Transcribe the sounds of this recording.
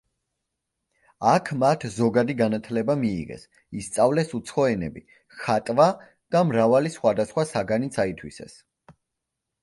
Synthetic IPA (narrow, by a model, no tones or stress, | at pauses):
akʰmat̪ʰzɔɡad̪iɡanat̪ʰlɛbamḭːʁɛ̰s | ist̪sʼavlɛsut̪sʰχɔɛnɛ̰bi | χat̪ʼva | d̪̥amɾavalisχwad̪asχwasaɡanit̪sʰait̪ʰwḭsɛ̰s